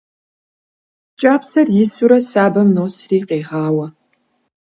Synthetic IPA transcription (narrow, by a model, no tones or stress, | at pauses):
t͡ʃʼaːpsɐrjɪsuɾɐsaːbɐmnoːsriːqeːʁɑːwɐ